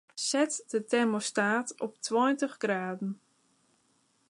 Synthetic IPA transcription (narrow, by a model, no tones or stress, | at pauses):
sɛtdətɛrmostaːtɔp̚twɔjntəχɡraːdn̩